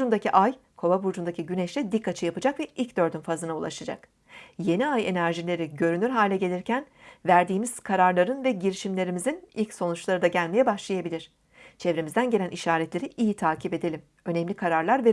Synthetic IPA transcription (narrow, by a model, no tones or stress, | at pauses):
und̪aciʔajkʰo̞vabuɾd͡ʒund̪acʰiɟynɛʃlʲɛd̪ikʰːat͡ʃʰɯjapɯd͡ʒakvɛʔilʲcd̪ø̞ɾd̪ynfazɯnaulˠa̰ʃad͡ʒa̰k | je̞niaje̞næɾʒilʲe̞ɾiɟø̞ɾynyɾɦaːlʲɛɟe̞lʲiɾcʰæn | væɾd̪iːmiz̥kʰaɾaɾlˠaɾɯnvɛɟiɾiʃimlʲe̞ɾimizinilʲcso̞nut͡ʃlˠaɾɯd̪aɟælʲmejɛbaʃlˠajabilʲiɾ̝̥ | t͡ʃʰevɾemizd̪ænɟe̞lʲænʔiʃaːɾɛt̪lʲe̞ɾiʔijit̪ʰaːcʰipe̞d̪elʲim | ø̞nɛmlʲikʰaɾaɾlˠaɾve